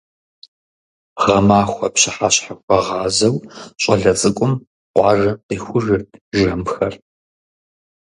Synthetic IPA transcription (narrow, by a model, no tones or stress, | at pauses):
ʁɐmaːxʷɐpɕɪħaɕħaxʷʼɐʁɑːzɐwɕʼɐɮɐt͡sʼɨkʷʼʊm | qʷɑːʒɐqiːxʷʊʒɨrtʰʒɐmxɐr